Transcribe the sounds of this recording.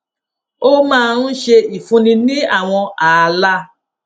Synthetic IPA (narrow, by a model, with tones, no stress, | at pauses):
o˦mãː˦˧ɾũ˦ʃe˧i˨fũ˧nĩ˧nĩ˦a˦˨w̃ɔ̃˧a˨˧la˦˨